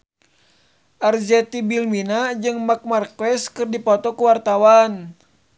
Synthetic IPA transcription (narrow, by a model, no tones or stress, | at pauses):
ʔard͡ʒɛt̪ibilminad͡ʒɨŋmak̚markwɛskɨrdipɔt̪ɔkuwart̪awan